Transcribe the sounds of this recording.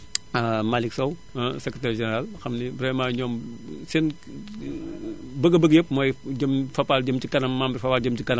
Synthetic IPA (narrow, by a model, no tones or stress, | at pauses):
amaliksɐw | sɛkɾetɛrʒeneɾalxɐmnibɾɛmaɲɔːmsen | bɐɡɐbəɡjəp̚mojd͡ʒɐmfɐpald͡ʒɐmtikɐnɐmːambɾfɐpaːld͡ʒəmt͡ʃikɐnɐm